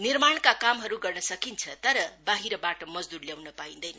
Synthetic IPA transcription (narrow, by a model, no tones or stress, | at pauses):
nirmaɳkakamɦʌɾuɡʌrnʌsʌkint͡sʰʌt̪ʌɾʌbaɦiɾʌbaʈʌmʌd͡zd̪urljawnʌpaĩnd̪ʌjnʌ